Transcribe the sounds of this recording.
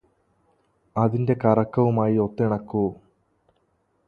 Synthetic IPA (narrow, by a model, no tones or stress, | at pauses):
ɐðinde̞kɐrɐkːɐʋumaːjio̞t̪ːiɳɐkːu